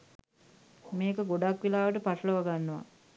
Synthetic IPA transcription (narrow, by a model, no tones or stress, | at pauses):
meːkəɡoɖakʋelaːʋəʈəpaʈələʋaɡanːuʋa̰